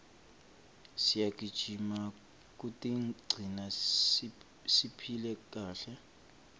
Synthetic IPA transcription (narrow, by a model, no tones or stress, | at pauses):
sijak̬ʼid̥ʒ̥ʱima | k̬ʼutʼiɡ͡ǀʱina | sipʰilɛkʼaːɬɛ